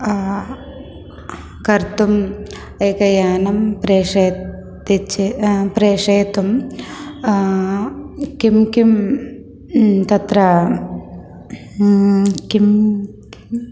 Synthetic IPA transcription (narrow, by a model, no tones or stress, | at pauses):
kɐɾt̪um | ejkɐjaːnɐmpɾeːʂɐ | t̪it͡ʃipɾeːʂɐːt̪um | kimkim | t̪ɐt̪ɾɐ | kim | k